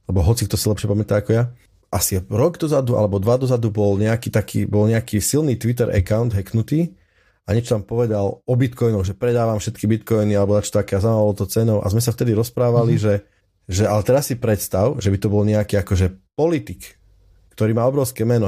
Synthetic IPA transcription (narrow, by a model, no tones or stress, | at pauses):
alɛbɔɦɔt͡sik̚t̪ɔsilɛpʃɪɛpamɛt̪aːakɔja | ʔasiɾɔɡd̪ɔzad̪ua̰lɛbɔd̪ʋad̪ɔzad̪ubɔlɲɛakiːt̪akʰḭːbɔlɲɛakiːsilniːt̪ʋit̪̬ɛɾʔɛ̰kaʊnd̪ɦɛknut̪iː | aɲɛt͡ʃɔt̪ampɔʋɛd̪alɔbit̪kɔjnɔɣʒɛpɾɛd̪aːʋamfʃɛt̪kibit̪kɔjnialɛbɔnat͡ʃɔ̥t̪akɛːazamaːalɔt̪ɔt͡sɛnɔʊʔa̰zmɛsaft̪ɛd̪iɾɔspɾaːʋaliʒɛ | ʒɛʔalɛt̪ɛɾasːipɾɛt̪st̪aʊʒɛbit̪ɔbɔlɲɛakiːakɔʒɛpɔlit̪ik | kt̪ɔɾiːmaːɔbɾɔʊskɛːmɛnɔ